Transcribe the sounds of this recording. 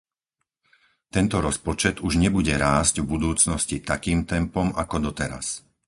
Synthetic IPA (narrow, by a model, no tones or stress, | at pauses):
t̪ɛnt̪ɔɾɔspɔt͡ʃɛd̪uʒɲɛbuɟɛɾaːsɟvbud̪uːt͡snɔscit̪akiːmt̪ɛmpɔmakɔd̪ɔt̪ɛɾa̰s